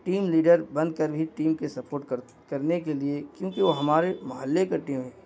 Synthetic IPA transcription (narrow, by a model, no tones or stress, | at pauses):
ʈiːmliːɖəɾbɐ̃nd̪̚kɐɾbʱiʈiːmkesɐpoːɾʈ̚ | kɐɾnekeliekjõːkiʋoɦɐmaːɾemɐɦəlːekaʈiːmɦɛ̃ː